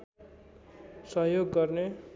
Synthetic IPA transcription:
sʌɦjoɡːʌrne

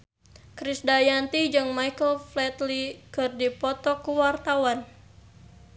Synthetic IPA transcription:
kɾisdajant̪id͡ʒɨŋmajkəlflɛt̪likɨrdipɔt̪ɔkuwart̪awan

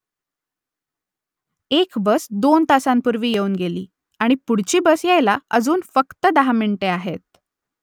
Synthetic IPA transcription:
ekbəsd̪ont̪asampuɾʋiːjeuːnɡelḭː | aɽ̃ipuɽ̤t͡ɕiːbəsjajlaəd͡zuːnfəkt̪əd̪aɦamiɳʈeaɦet̪̚

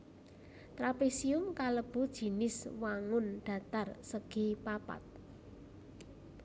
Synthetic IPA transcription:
t̪ɾapesiʊmkaləb̥ṳd̥ʒ̥i̤nɪswaŋʊnɖ̪̥ä̤t̪arsəɡ̥i̤papa̰t̪̚

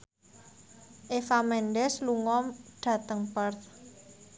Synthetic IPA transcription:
ʔefamɛnɖɛsluŋɔmɖ̥ä̤t̪əŋpərt̪

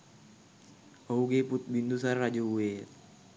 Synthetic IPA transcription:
ouɡeput̪̚bind̪us̬arːad͡ʒouwet

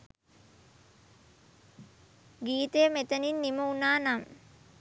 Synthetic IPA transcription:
ɡiːt̪əjəmet̪əninːiməunaːnam

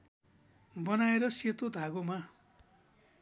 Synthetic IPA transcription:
bʌnaeɾʌset̪od̪ʱaɡoma

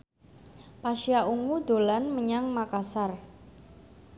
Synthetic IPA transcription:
paʃiaʔuŋud̪o̤lanməɲaŋmakasar

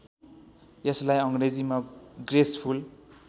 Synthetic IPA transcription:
jʌslajʌŋred͡zimaɡrespʰul

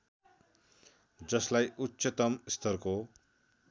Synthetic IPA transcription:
d͡zʌslajutːset̪ʌmst̪ʰʌrko

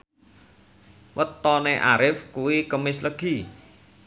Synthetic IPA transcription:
wət̪ːɔneʔa̰ɾɪfkuwikəmɪsləɡ̥i

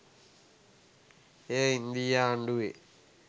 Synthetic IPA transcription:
eind̪ijaːɳɖue

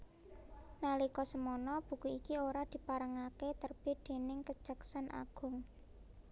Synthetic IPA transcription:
nalikɔsəmɔnɔb̥ṳkuikioɾad̪̥i̤paɾəŋaket̪ərb̥id̪̥e̤nɪŋkə̥ʒ̥əksanʔa̰ɡ̥ʊ̤ŋ

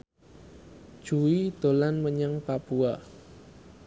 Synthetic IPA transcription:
d̥ʒ̥uwid̪̥o̤lanməɲəŋpapua

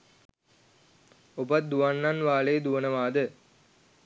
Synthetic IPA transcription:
obɐt̪̚d̪uʋɐnːanʋaːɭeːd̪uʋɐnɐʋaːd̪ɨ

